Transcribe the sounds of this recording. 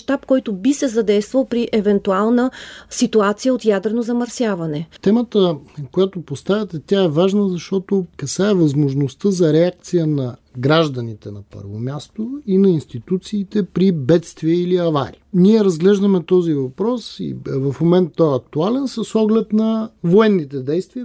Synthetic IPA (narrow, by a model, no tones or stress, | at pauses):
ʃt̪apkɔjt̪ʊbisɛzɐd̪ɛjst̪vəlˠpɾiʔɛvɛnt̪ualˠnəsit̪uat̪sijəot̪jad̪ɾɛnozɐmɐɾsʲjavɐnɛt̪ɛmət̪əkojat̪opost̪avʲət̪ɛt̪ʲaɛvaʒnəzɐʃt̪ɔt̪okɐsaɛvɐzmoʒnost̪əzɐɾɛak̚t̪sijənɐɡɾaʒd̪ɐnit̪ɛnɐpə̰ɾvomʲjast̪oinɐinst̪it̪ut̪siːt̪ɛpɾibɛt̪st̪viəiliɐva̰ɾḭniɛɾɐzɡlɛʒd̪əmɛt̪ɔzivɐpɾɔsḭvɐfmomɛnt̪̚ːɔɛɐk̚t̪ualɛnsəsɔɡlɛt̪nɐvoɛnːit̪ɛd̪ɛjst̪viə